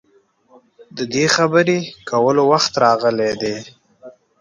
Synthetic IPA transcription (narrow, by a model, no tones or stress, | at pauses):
d̪əd̪exabəɾekʰawəlowaxt̪ɾɑɣəled̪e